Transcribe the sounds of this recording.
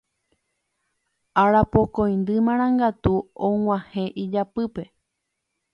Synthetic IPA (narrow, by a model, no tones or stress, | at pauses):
aɾapokõj̃nd̪ɨmãɾ̃ãŋɡat̪uõw̃ãhẽ̞ʔid͡ʒapɨpe̞